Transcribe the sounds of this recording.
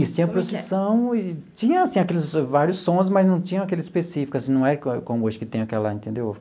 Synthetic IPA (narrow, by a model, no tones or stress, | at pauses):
ist͡ʃĩɲɐpɾosesɐ̃w̃ɪt͡ʃĩɲɐ̃asĩakelɪzvaɾjʊsːõs̬mɐznɐ̃w̃t͡ʃĩɲɐ̃akɛlɪzispesifi̥kasĩnɐ̃w̃ɛɾɐkkõmʊoʒẽkɪt̪ẽj̃ɐkɛlɐ̰ẽnt̪ẽnd̪ew